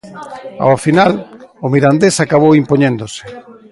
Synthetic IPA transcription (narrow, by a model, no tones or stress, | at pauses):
a̰wafinalʊmiɾand̪esakaβ̞owimpoɲẽnd̪osɪ̥